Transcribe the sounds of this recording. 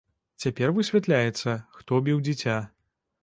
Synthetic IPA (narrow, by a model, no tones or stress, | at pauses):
t͡sʲapʲɛrvɨsʲvʲat̪lʲajɛt̪sːɐxt̪ɔbʲiwd͡zʲit͡sʲa